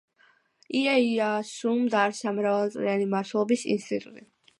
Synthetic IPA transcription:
iɛiasumd̪aɾsamɾavalˠt̪sʼɾianimaɾt̪ʰɛlˠɔbisḭnst̪ʼit̪ʼṵt̪ʼi

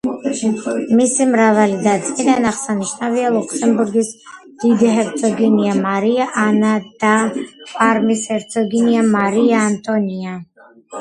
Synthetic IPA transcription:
misimɾavalid̪at̪sʼkʼid̪anaχsaniʃnavialˠukʰsɛmbuɾɡis | d̪̥id̪iɦɛɾt̪sʰʼɔɡɛniamaɾiaʔanad̪apʼaɾmishɛɾt̪sʰʼɔɡiniamaɾiaːnt̪ʼɔnia

